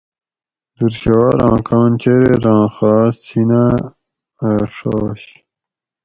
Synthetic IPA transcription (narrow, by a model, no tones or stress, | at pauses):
d̪uɾɕɐwaːɾɑ̃ːkʰɑ̃ːnt͡ɕeɾeɾɑ̃ːxɑːsina | ʂoːɕ